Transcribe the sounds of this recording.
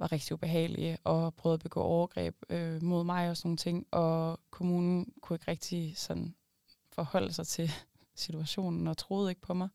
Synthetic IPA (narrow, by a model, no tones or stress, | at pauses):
ʋɑ̈ʁeɡ̥̚d̥iub̥e̝ɦɛ̰ːlḭʔɒ̽pʰʁœːð̩ˠɐb̥eɡ̥ɔ̰ːʔɒʊɐɡ̥ʁɛ̰ːb̥̚ømo̝ð̞̰ˠmɑ̈ɪɒ̽sno̝ːn̩t͡sʰe̝ŋ̰ʔɒ̽kʰo̝muːnn̩kʰue̝ɡ̥ʁeɡ̥̚d̥isɒ̽n̰ | fɒ̽hɒ̽l̰əsɑ̈ɪt͡sʰe̝l | sit͡sʰuæɕo̝̰ːnn̩ɒ̽t͡sʰʁoːð̞̩ˠe̝ɡ̥̚pʰɒ̽mɑ̈ɪ